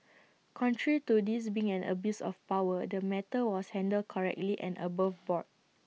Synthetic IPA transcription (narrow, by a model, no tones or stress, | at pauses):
kʰɔ̃ntʰɹɛɹitudis̬biĩŋɛ̃nə̰bjusɔ̰fpawədəmɛtəwɔshɛ̃ndəl̚kʰɔɹɛ̰k̚tliʔɛ̰̃nʔə̰bavbɔt̚